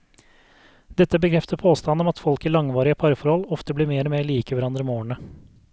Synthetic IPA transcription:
d̪ɛt̪ːəbəkʰɾɛft̪əpʰoːst̪ɑnɔmɑt̪fɔlkiːlɑŋʋɑːɾɪəpʰɑɾəfɔɾhɔlɔft̪əbliːɾmeːɾɔmeːɭiːkəʋæɾɑnd̪ɾəmoːɳə

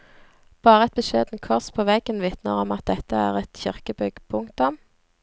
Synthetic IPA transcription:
b̥ɑːʁəɛt̪̚bəʃḛːd̪n̩kʰɔʁspʰoːʋɛɡ̥ənʋɪt̪nəʁɔmɑt̪̚d̪ɛt̪əæ̰ːʁɛt̪çɪʁkəbʏɡpʰʊŋt̪ʊm

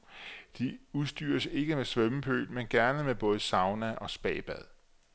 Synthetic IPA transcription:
d̥iuðˠsd̥y̰ːɐse̝ɡ̥əmesʋœməpʰø̰ːlmenɡ̥æɐnəmeb̥ɔ̽ːð̞̩ˠəsɑ̈ʊnæʔɒ̽sb̥ɛ̰ːb̥æð̞ˠ

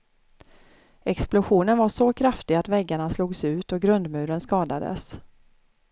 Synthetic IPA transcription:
ɛksplʊɧuːnənvaʂɔkʰɾaft̪ɪɡat̪vɛɡːaɳasluːɡsʉ̟ːt̪ɔɡɾɵnd̪mʉ̟ːɾənskɑːd̪ad̪ə̰s

